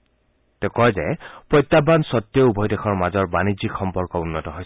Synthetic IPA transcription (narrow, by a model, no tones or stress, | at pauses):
tɛkɔjzɛpɹɔjtːabansɔtːjɔubʱɔjdexʰɔɹmazɔɹbanizikxɔmpɔɹkɔunːɔtɔɦojs